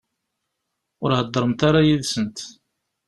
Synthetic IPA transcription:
ʊɾhəd̪ˤːəɾˤəmt̪aɾajiðsənt̪

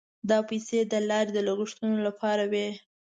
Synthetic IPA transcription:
d̪ɑpajsed̪əlɑɾed̪əlaɣɪʂt̪unolapʰɑɾawe

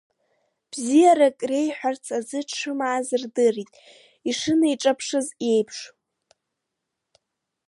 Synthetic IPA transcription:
b̥zijaɾakʼre̞jħʷᶣart͡sʰazɨʈ͡ʂʰɨmaːzɨrdɨritʼ | iʂɨnaiʈ͡ʂʼapʰʂɨzje̞jpʰʂ

